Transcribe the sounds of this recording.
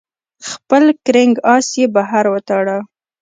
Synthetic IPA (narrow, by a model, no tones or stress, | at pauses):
xpəlkɾɪŋɡɑsjebaɦaɾwət̪ɑɽa